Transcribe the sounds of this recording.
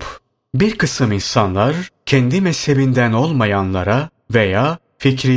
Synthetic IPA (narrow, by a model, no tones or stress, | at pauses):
biɾkʰɯsɯminsanlˠaɾcʰɛnd̪imɛshe̞bind̪æno̞lˠmajanlˠaɾa | ve̞jaː | ficɾi